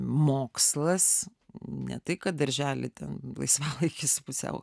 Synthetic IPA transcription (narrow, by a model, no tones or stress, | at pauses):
moːkslˠɐs | nʲɛ̰t̪ɐɪkɐt̪̚d̪ɐɾʲʒʲæːlʲɪt̪ʲɛnlˠɐ̰ɪsʋɑːlˠɐɪkʲɪsʊpʊsʲɛ̰ʊ